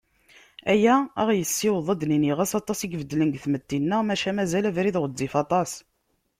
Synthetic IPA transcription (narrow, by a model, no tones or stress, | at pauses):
æjææʁjəsːiwðˤəd̪niniʁæsɑt̪ˤːɑsiɡvəd̪lənɡθmət̪ːinːəʁmæʃæmæzælævɾiðʁəd̪ːifɑt̪ˤɑs